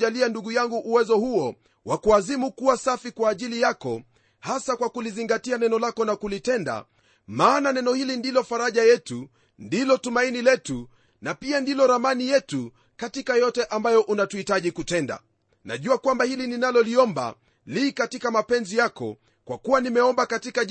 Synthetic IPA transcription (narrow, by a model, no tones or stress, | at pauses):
ʄalianduɠujaŋɡuʔuwɛzɔhuɔ | wakuazimukuwasafikwaːʄilijakɔ | hasakwakuliziŋɡatianɛnɔlakɔnakulitɛnda̰ | maːnanɛnɔhilindilɔfaɾaʄajɛtu | ndilɔtumainilɛtu | napiandilɔɾamanijɛtu | katikajɔtɛʔambajɔʔunatuitaʄikutɛnda̰ | na̰ʄuakwambahilininalɔliɔmba̰ | likatikamapɛnzijakɔ̰ | kwakuwanimɛɔmbakatika